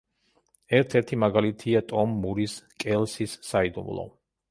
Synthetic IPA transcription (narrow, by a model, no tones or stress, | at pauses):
ɛɾt̪ʰɛɾt̪ʰimaɡalit̪ʰiat̪ʼɔmːuɾiskʼɛlˠsisːaid̪ṵmlˠɔ̰